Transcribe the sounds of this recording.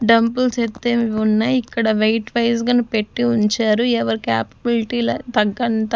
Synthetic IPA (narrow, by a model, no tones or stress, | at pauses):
ɖɐmpulset̪ːeːmiunːɐikːɐɽɐʋɐjʈʋɐjs̬ɡaːnupeʈːiuɲt͡ʃaːɾuɛʋɐɾikaːpɐbiliʈiːlɐt̪ɐɡːɐnt̪ɐ